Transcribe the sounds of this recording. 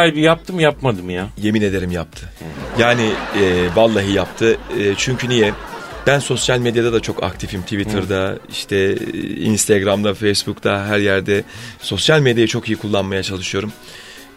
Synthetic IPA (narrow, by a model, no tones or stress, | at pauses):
ajbijap̚t̪ʰɯmjapmad̪ɯmjaje̞mine̞d̪e̞ɾimjap̚t̪ʰɯjaːnɪːbalˠːaɦɯjap̚t̪ʰɯːt͡ʃʰyɲcʰynijɛb̥ænso̞sjalʲmed̪jad̪ad̪at͡ʃʰo̞ka̰k̚t̪ʰifimt̪ʰivit̪ʰɯɾd̪aḭʃt̪ʰɛḭnst̪ʰeɡɾamd̪afejsbukt̪ʰaɦæɾjæɾd̪ɛso̞sjalʲme̞d̪jajat͡ʃʰo̞kijikʰulˠːanmajat͡ʃʰalˠɯʃɯjo̞ɾum